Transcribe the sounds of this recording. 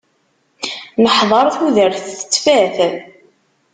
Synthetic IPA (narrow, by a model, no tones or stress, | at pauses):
məħðˤɑɾˤθuðəɾθθə̥t͡sːfæθ